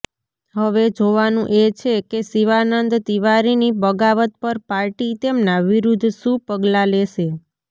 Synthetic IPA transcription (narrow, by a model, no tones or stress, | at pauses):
ɦəʋed͡ʒoʋanũʔet͡ʃʰekesiʋanənd̪t̪iʋaɾinibəɡaʋət̪̚pəɾpaɾʈit̪emnaʋiɾud̪ʱʃũpəɡlaleʃe